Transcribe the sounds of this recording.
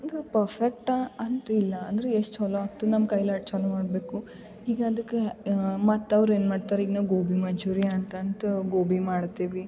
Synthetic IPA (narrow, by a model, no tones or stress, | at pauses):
ɐnd̪ɾepɐɾfʰek̚ʈaɐnt̪ilːɐːnd̪ɐɾeeʂʈɦɔloaːɡ̚t̪unɐmkɐjlaʈt͡ʃɐnumaːɖbeːku | hiːɡaɐd̪ɐkːemɐt̪ːɐʋɾeːnmaːɖt̪aːɾeiːɡnaʋɡoːbʱimɐɲd͡ʒuːɾijaɐnt̪ɐːnt̪ɐɡoːbʱimaːɽt̪iʋi